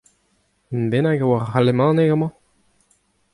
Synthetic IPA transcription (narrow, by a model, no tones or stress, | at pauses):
əmbenaɡawaʁːalemɑ̃nekɡamɑ̃